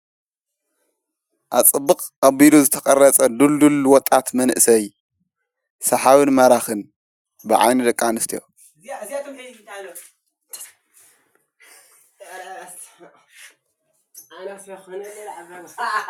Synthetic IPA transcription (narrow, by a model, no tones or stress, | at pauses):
ʔat͡sʼɨbːɨqʼkʼɐbiluzɨt̪ʰɐkʼɐrɐt͡sʼɐd̪uld̪ulwɔt̪ʼːat̪mɐnʔɨsɐj | sɐħawɨnmɐɾaxɨn | bɨʕa̰jnɨd̪ɐkʼːanɨst̪ʰijo